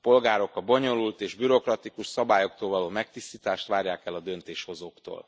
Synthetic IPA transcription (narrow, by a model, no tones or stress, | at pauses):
po̞lɡaːɾo̞kɒbo̞ɲo̞lult̪eːʒbyɾo̞krɒt̪ikuʃsɒbaːjo̞kt̪oːlvɒloːmɛkt̪ist̪iːt̪aːʃt̪ʋaːɾjaːkɛlɒd̪ø̞nt̪eːʃho̞zoːkt̪o̰ːl